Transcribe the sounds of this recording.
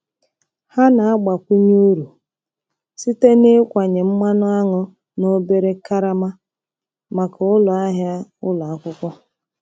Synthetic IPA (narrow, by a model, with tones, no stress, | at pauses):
ha˦na˨a˦ɡ͡ba˨kʷi˦ɲuo˦ɾu˨ | si˦te˦ne˦kʷa˨ɲe˨m̩˦ma˦nʊ˦a˦ŋʊ˦ | no˦be˦ɾe˦ka˦ɾa˦ma˦ | ma˨ka˨ʊ˦lʊ˨a˦ɦja˦ʊ˦la˨a˦kʷʊ˦kʷɔ˦